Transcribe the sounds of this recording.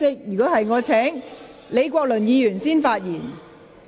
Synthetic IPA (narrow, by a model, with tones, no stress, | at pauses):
ɪ˥k̚jy˨˩kɔː˨˥hɐ˨jŋɔː˨˧t͡sʰɛː˨˥ŋ | le˨˧jkʷɔː˧k̚lɵ˨˩njiː˨˧jyː˨˩nsiː˥nfaː˧t̚jiː˨˩n